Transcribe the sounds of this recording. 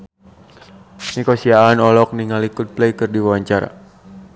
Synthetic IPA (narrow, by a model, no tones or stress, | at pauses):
nikosiaanɔlɔk̚niŋalikʊt̪̚plejkɨrdiwawaɲt͡ʃaɾa̰